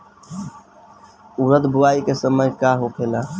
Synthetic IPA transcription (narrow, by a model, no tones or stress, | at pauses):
uɾəd̪buaikesəməjkaɦokʰela